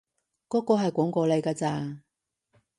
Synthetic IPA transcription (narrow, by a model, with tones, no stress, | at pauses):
kɔː˨˥kɔː˧ɦɐ˨jkʷɔː˨˥ŋkɔː˧le˨˧jkaː˧t͡saː˧